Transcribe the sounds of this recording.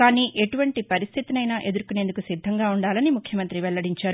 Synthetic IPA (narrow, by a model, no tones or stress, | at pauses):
kaːniːʔe̞ʈuʋɐɳʈipɐɾist̪ʰit̪inɐjnaːʔe̞d̪uɾkune̞ːnd̪ukusid̪ʱːɐŋɡaːuɳɖaːlɐnimukʰjɐmɐnt̪ɾiʋɛlɭːɐɽiɲt͡ʃaːɾu